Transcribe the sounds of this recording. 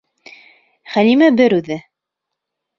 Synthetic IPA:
χænimæbɘɾʉðɘ

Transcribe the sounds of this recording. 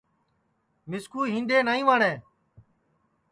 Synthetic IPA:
mɪskuːɦĩːnd̪eːnaːĩːʋaːɳẽː

